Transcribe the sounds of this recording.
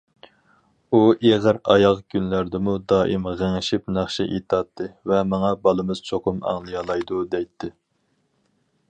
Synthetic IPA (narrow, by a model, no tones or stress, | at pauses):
uʔeʁəɾɑ̰jɑʁkʲʰynlæɾd̪ɪmud̪ɑːʔimʁəŋɪʃipnæχʃɪʔḛt̪ʰɑt̪ʰːɨvɛmɑŋɑbɑlˠɨmɨz̥t͡ʃʰoqʰʊmɑ̰ŋlˠɨjɑlˠɑjd̪ud̪ɛjt̪ʰːɪ